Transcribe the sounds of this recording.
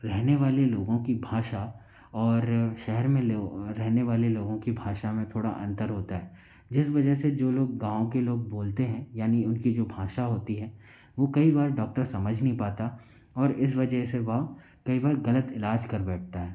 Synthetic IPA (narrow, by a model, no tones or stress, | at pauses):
ɾɛɦneʋaːleloːɡõkibʱaːʃa | ɔːɾʃɛɦɛɾmẽloːɛɦneʋaːleloːɡõkibʱaːʃamẽt̪ʰoːɽa̰ʔɐ̰̃nt̪əɾɦoːt̪aɦɛː | d͡ʒɪsʋɐd͡ʒəɦsed͡ʒoːloːɡɡãːõkeloːɡ̚boːlt̪eɦɛ̃jaːniʊnkid͡ʒoːbʱaːʃaɦoːt̪iɦɛː | ʋoːkɐibaːɾɖɔːk̚ʈəɾsɐməd͡ʒʱnəɦĩpaːt̪a | ɔːɾɪs̬ʋɐd͡ʒəɦseʋɐɦ | kɐibaːɾɣɐlət̪ɪlaːd͡ʒkɐɾbɛːʈ̚ʰt̪aɦɛː